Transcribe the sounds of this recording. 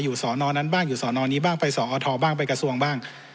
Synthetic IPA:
juː˨˩sɔː˩˦nɔː˧na˦˥nbaː˥˩ŋjuː˨˩sɔː˩˦nɔː˧niː˦˥˩baː˥˩ŋpa˧jsɔː˩˦ʔɔː˧t̪ʰɔː˧baː˥˩ŋpa˧jka˧su˧əŋbaː˥˩ŋ

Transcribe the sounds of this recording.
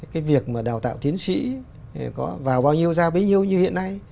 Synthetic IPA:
kaː˨˦jvi˨˩ək̚maː˨˩ɗaː˨˩wt̪a̰ː˧˨t̪i˨˦ənsḭ˧˥˨ | kɔ˨˦vaː˨˩wɓaː˧wɲi˧əwzaː˧ɓe˨˦jɲi˧əwɲɨ˧hḭ˧˨ənːa˧j

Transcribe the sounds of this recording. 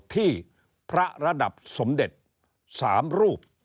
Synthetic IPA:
t̪ʰiː˥˩ | pʰɾa˦˥ɾa˧da˨˩p̚so˩˦mde˨˩t̪̚ | saː˩˦mɾuː˥˩p̚

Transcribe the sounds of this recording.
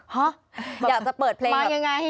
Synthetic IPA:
ɔ˦˥˨ | aː˨˩k̚t͡ɕa˨˩pɤː˨˩t̪̚pʰleː˧maː˧ŋa˧ŋa˧jha˥˩

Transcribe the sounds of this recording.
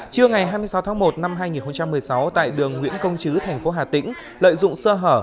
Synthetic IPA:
t͡ɕɨ˧əŋa˨˩jɦaː˧jm˧əsa˨˦wt̪ʰːŋmo˨˩t̚na˧mɦaː˧jŋi˨˩nxə˧wŋ͡mt͡ɕa˧mːɨ˨˩əjsa˨˦wt̪a̰ː˧˨jɗɨ˨˩əŋŋwḭ˧˥ənkə˧wŋ͡mt͡ɕɨ˨˦t̪ʰɛ˨˩jŋ̟fo˨˦ɦaː˨˩t̪ḭ̈˧˥ŋ̟ | lə̰ː˧˨jzʊ̰˧˨ŋ͡msəː˧ɦəː˧˩

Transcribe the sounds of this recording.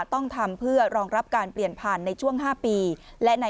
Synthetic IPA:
t̪ɔ˥˩ŋt̪ʰa˧mpʰɯ˥˩ɐɾɔː˧ŋɾa˦˥p̚kaː˧npli˨˩ənpʰaː˨˩nːa˧jt͡ɕʰu˥˩əŋɦaː˥˩piː˧lɛ˦˥na˧

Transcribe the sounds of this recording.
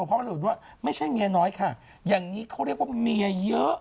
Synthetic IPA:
pʰɔ˦˥˧t̬̚waː˥˩ma˥˩jt͡ɕʰa˥˩jŋiː˧nɔː˦˥jkʰa˥˩ | jaː˨˩ŋniː˦˥kʰa˦˥wɾi˥˩ək̚waː˥˩mi˧ɐjɤ˦˥ʔ

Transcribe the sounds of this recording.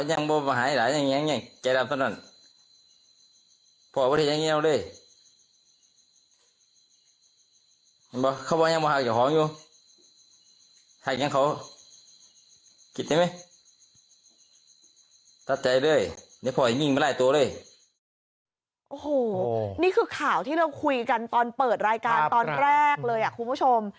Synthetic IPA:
ɲa˧˩ŋbɔː˧bɔ˧˨ɦaː˨˦˧laː˨˦ɲa˧˨ŋɲa˧˥˨ŋɲa˧˩ŋka˧˩˨la˧˩m̚tʰa˧˨na˧˩˨n | pʰɔː˧˩˨bɔ˧ɾhe˧˨ɲa˧˨ʔɛ˧˨wlɤː˧˥˨j | bɔː˧˦kʰa˧˩wbɔː˧˦ɲa˧˨bɔː˧ha˧˩k̚t͡ɕa˧˩kʰhɔː˨˦ŋɲuː˧ | ha˧˩k̚ɲa˧˥˨ŋkʰa˧˦w | kʰi˧t̪̚da˧˩ma˦˥j | t̪a˧˩t̪̚t͡ɕa˧jlɤː˧˥˩j | na˧˥˩pʰɔː˨˩˨ɲi˧˩ŋ˨ma˧˩laː˧˩t̪u˧ɐ˧lɤ˧˥˩j | ʔo˨˩hoː˨˩niː˥˩kʰɯː˧kʰaː˨˩wt̪ʰiː˥˩ɾa˧wkʰu˧jka˧nt̪ɔː˧npɤː˨˩t̪̚ɾaː˧jkaː˧nt̪ɔː˧nɾɛː˥˩k̚lɤː˧jʔa˨˩kʰu˧npʰu˥˩t͡ɕʰo˧m

